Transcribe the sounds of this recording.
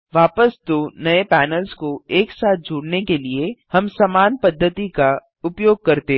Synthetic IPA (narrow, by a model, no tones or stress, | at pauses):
ʋaːpəsd̪oːnɐepɛːnəlzkoeːksaːt̪̚ʰd͡ʒoːɽnekeliehɐmsɐmaːnpɐd̪ʱːət̪ika | ʊpjoːɡ̚kɐɾt̪e